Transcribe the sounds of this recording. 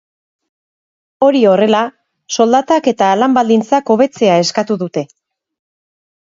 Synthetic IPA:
o̞ɾio̞re̞la | so̞ld̪at̪ake̞t̪aːlambald̪int͡sako̞βe̞t͡se̞ae̞skat̪uðut̪e̞

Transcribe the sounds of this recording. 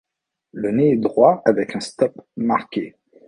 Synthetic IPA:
ləneɛd̪ʁwaavɛkɛ̃st̪ɔpmaʁkʲe

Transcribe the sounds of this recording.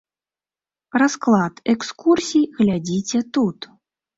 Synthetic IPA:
rasklˠat̪ɛkskursʲijɣlʲad͡zʲit͡sʲɛt̪ut̪

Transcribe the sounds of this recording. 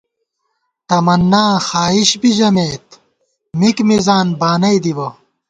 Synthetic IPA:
t̪ɐmɐnːaːxaːiɕbiʑɐmeːt̪ | mikmizaːnbaːnɐid̪ibɐ

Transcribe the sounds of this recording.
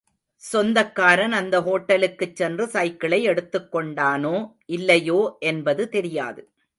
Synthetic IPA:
sɔnd̪ɐkːaːɾɐnɐnd̪ɐɦoːʈːɐlɯkːɯt͡ʃːɛndrɯsɐɪkːɪɭɐɪɛɽɯt̪ːɯkːɔɳɖaːnoːʔɪlːɐjoːʔɛnbɐðɯt̪ɛɾɪja̰ːðɯ

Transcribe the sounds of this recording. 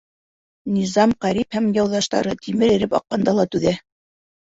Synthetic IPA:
nʲizɑmqæɾiphæmjɑwðɑʃt̪ɑ̰ɾɤt̪ʰimɘɾiɾɘpɑ̰qːɑnd̪ɑlˠɑt̪ʉðæ

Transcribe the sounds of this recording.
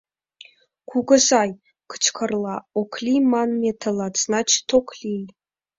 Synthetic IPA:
kʰuɡəzɑj | kʰə̥t͡ʃʰkʰərlɑokʰlʲimɑnmet̪ʰəlɑt͡snɑt͡ʃʰt̪ʰokʰlʲij

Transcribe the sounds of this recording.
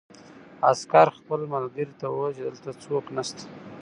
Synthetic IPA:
askɑɾxpəlmalɡəɾit̪awət͡ʃed̪əlt̪at͡soknast̪ḁ

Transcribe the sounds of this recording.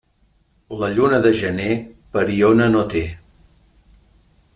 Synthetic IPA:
ləʎunəðəʒənepəɾionənot̪e

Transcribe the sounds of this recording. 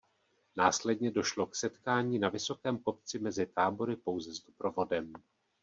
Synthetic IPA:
naːslɛdɲɛdo̞ʃlo̞ksɛt̪kaːɲiːnavɪso̞kɛːmko̞p̚t͡sɪmɛzɪt̪aːbo̞ɾɪpo̞wzɛzdopɾo̞vo̞dɛm

